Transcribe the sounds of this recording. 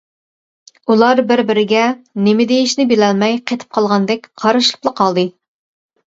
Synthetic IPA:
ulˠɑɾbɪɾbɪɾɪɡʲɛnɪmɪd̪ejiʃnɪbelɛlmɛjqʰet̪ʰɨ̥p̚qʰɑlˠʁɑnd̪ɛk̚ʲqʰɑɾɨʃlˠɨ̥plˠəqʰɑlˠd̪ɨ

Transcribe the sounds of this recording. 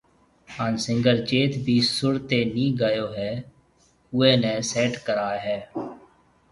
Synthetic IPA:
aːnsɪ̃ŋɡəɾt͡ʃeːt̪bʱiːsʊɽt̪eːnĩːɡəjoːɦɛː | ʊẽːnẽːseːʈkəɾaːɦɛː

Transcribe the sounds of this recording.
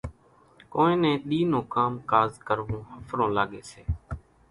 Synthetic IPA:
koːẽːnẽːɗ̪iːnõːkaːmkaːzkəɾʋõːhəfʰɾõːlaːɠeːseː

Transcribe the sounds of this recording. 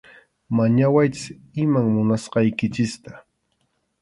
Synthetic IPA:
maɲawajt͡ʃɪ | ɪmaŋmʊnasqɑjkɪt͡ʃɪst̪ḁ

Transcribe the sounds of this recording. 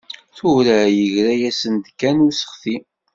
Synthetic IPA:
θʊɾæjəʝɾæjæsənd̪kːænusə̥χθi

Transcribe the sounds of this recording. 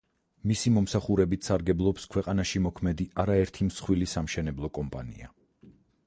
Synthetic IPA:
misimɔmsaχuɾɛbit̪ʰsaɾɡɛblˠɔpskʰwɛqʼanaʃimɔkʰmɛd̪iʔaɾaɛɾt̪ʰimsχwilisamʃɛnɛblˠɔkʼɔmpʼa̰nḭa̰

